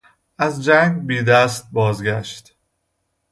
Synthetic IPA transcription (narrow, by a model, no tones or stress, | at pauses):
æzd͡ʒæŋɡbiːd̪æst̪̚bɒːzɡæʃt̪